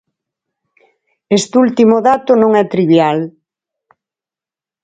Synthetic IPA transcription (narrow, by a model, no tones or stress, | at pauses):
est̪ult̪imoðat̪ʊnõŋɛt̪ɾiβjal